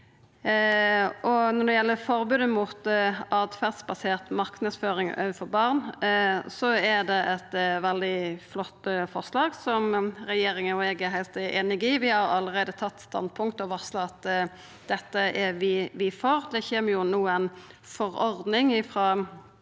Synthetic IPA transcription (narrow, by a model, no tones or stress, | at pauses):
ʔɔnɔɖ̪ɛjɛlːəfɔɾbʉːd̪əmʊt̪ɑːd̪fæʁd̪sbɑseːʁt̪mɑʁknəd̪sføːɾɪŋø̰ːʋəfɔɾbɑʁn | sɔɛd̪ɛʔɛt̪ʋɛld̪ɪflɔt̪ːəfɔʁslɑːɡsɔmɾɛjeːɾɪŋənɔɛɡɛɾɦæɪlt̪eːnɪɡɪʋɪhɑɾɑlːəɾeːd̪ət̪ʰɑt̪ːst̪ɑ̰nd̪̚pʰʊŋkt̪ɔʋɑʁslɑɑt̪ | d̪ɛt̪ːəʔɛʋɪʋɪfoːɾd̪ɛçeːməɾjʊnuːənfɔɾɔɾd̪nɪŋɪfɾɑː